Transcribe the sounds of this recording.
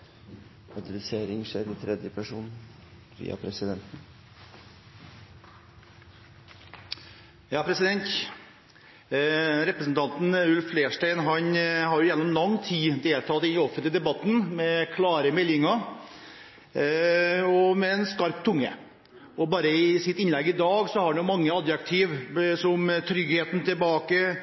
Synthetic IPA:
ɑd̪əlɪseːɾɪŋʂeːɾɪt̪ʰɾɛd̪jəpʰæʂuːn | ʋḭːɑ̰pʰɾɛsɪd̪ɛnt̪n̩ | jɑːpʰɾɛsɪd̪ɛnt̪ | ɾɛpɾəsn̩t̪ʰɑnt̪n̩ʉlffːleːʂʈæɪnɦɑnhɑɾjʊjɛnːɔmlɑŋːt̪ʰiːd̪eːlt̪ʰɑːt̪ɪnɔfənt̪əd̪ɛbɑt̪ːn̩mɛkʰlɑːɾəmɛlːɪŋə | ɔmɛɛnskɑɾp̚t̪ʰːʊŋːə̰ | ɔbɑːɾəɪsɪt̪ɪnlɛɡɪd̪ɑːɡsɔhɑɾnjʊmɑŋːəɑd̪jɑkt̪ʰiːʋsɔmt̪ʰɾʏɡheːt̪n̩t̪ɪlbɑːkə

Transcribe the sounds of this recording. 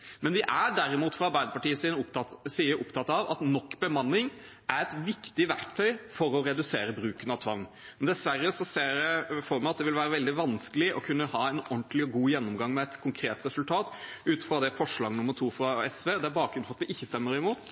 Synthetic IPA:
mɛnʋɪʔæɖæɾɪmuːt̪fɾɑɑɾbæɪd̪əpɑʈiːəsiːnəʊp̪ɑsiːəɾʔʊpt̪ʰɑt̪ɑʋɑ̰t̪nɔkːbəmɑnːɪŋ | æɾɛt̪ʋɪkt̪ɪʋæɾkt̪ʰœʏfɔɾɔɾɛd̪ʉseːɾəbɾʉːkənɑʋt̪ʰʋɑŋː | d̪ɛsʋærːəsɔseːɖɛfɔɾmɛɑt̪̚d̪ɛʋɪlʋæːɾəʋɛld̪ɪʋɑnskəlɪʔɔkʰʉnːəhɑːɛnɔnt̪lɪɔɡuːjɛnːʊmɡɑŋːmɛɛt̪kʰʊŋkʰɾeːt̪ɾɛsʉlt̪ʰɑːt̪ʉːt̪fɾɑd̪ɛfɔʂɭɑːɡnʊmːəɾʈtʰuːfɾɑɛsʋeːd̪ɛæɾbɑːk̚ɾʉnfɔɾɑt̪ʋɪʔɪçːəst̪ɛmːəɾɪmuːt̪

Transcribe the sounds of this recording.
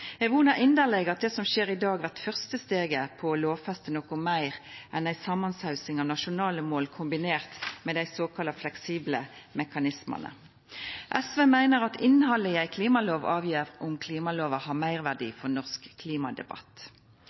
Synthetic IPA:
ɛʋuːnɑʔɪnd̪əʁlɛɡəʁɑt̪̚d̪ɛsɔmʃeːʁɪd̪ɑːɡʋæʁt̪fœʁst̪əst̪eːɡəpʰɔloːʋfɛst̪ənɔkʊmæɪʁʔɛnæɪsɑmɑnsɑʉsɪŋɑːʋnɑʃʊnɑːləmoːlkʰʊmbɪneːʁt̪mɛːd̪æɪsoːkʰɑlɑflɛksiːbləmɛkɑnɪsmə̰nə̰ | ʔɛsʋeːmæɪnəʁɑt̪ɪnːhɑlːəɪæɪkʰliːmɑloːʋɑːʋjeːʁʊmkʰliːmɑloːʋəhɑʁmæɪʁʋæʁɖḭːfɔʁnɔʁskʰːliːmɑd̪ɛ̰bɑ̰t̪

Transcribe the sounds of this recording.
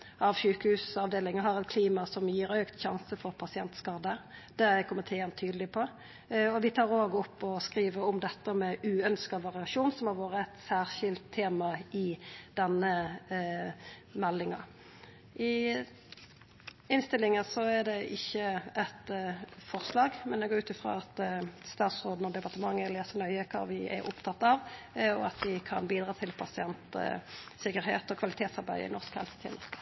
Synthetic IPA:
ʔɑʋɕʉːkəhʉːsɑʋd̪eːlɪŋəɦɑɾɛt̪kʰliːmɑsɔmjiːɾøːkt̪çɑnsəfɔʁpʰɑsɪɛnt̪skɑʁd̪əd̪̥ɛɛkʰɔmət̪ʰɛɛnt̪ʰyːd̪lɪpʰɔ | ɔʋɪt̪ʰɑːʁoːɡɔpːɔskʁiːʋəɾɔmd̪ɛt̪ːəmɛʉːœnskɑʋɑʁɪɑʂuːnsɔmhɑʁʋoːɾəɛt̪sæːʁʃɪlt̪ʰːeːmɑɪd̪̥ɛnːə | mɛlːɪŋɑ | ʔɪ | ɪnst̪ɪlːɪŋəsɔɛd̪ɛɪçːəʔɛt̪fɔʁslɑːɡmɛnd̪ɛɡoːʉːt̪ɪfɾo̰ːɑt̪st̪ɑːt̪sɾoːd̪n̩ɔd̪ɛpɑʁt̪əmɑŋːəɛleːsənœʏəkʰɑ̰ːʋɪʔɛ̰ɾʔʊpt̪ʰɑt̪ːɑʋ | ɔɑt̪ʋɪkʰɑ̰nbiːd̪ɾɑːt̪ʰɪlpʰɑsɪɛnt̪ | sɪkːəɾɦḛːt̪ɔkʰʋɑlɪt̪ʰeːt̪sɑɾbæɪɪ̰nɔʁskhɛ̰lsə̥t̪ʰḭːnə

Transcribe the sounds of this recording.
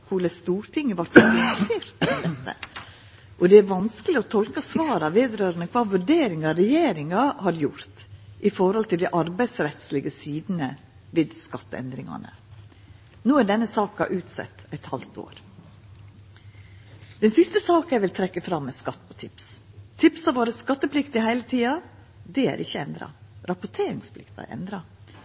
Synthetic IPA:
kʰuːləst̪uːɾt̪ʰɪŋːəʋɑɾt̪ɛseːɾt̪ɛd̪ɛt̪ːə̰ | ʔɔd̪ɛæɾʋɑnskəlɪɔt̪ʰɔlkɑsʋɑːɾɑʋeːd̪ɾøːɾənəkʰʋɑːʋʉɾɖeːɾɪŋɑɾɛjeːɾɪŋɑhɑɾjʊɾt̪ʔɪfɔɾhɔlt̪ɪld̪ɛɪʔɑɾbæɪd̪sɾɛt̪slɪɡəsiːd̪nə | ʋeːd̪skɑt̪ːəɛ̰nd̪ɾɪŋɑ̰nə̰ | nuːæɖɛnːəsɑːkɑ̰ʔʉːt̪sɛ̰t̪ːɛt̪hɑlt̪o̰ːɾ | d̪̥ɛnsɪst̪əsɑːkæɾʋɪlt̪ʰɾɛkːəfɾɑmːɛskɑt̪ːpʰɔt̪ʰɪpst̪ʰɪpsɑʋoːɾəskɑt̪ːəpʰlɪkt̪ɪhæɪlət̪ʰiːɑ | d̪ɛæ̰ɾʔɪçːəɛnd̪ɾɑ̰ɾɑpʊʈ̪ʰeːɾɪŋspʰlɪ̰kt̪ɑ̰ʔɛ̰nd̪ɾɑ

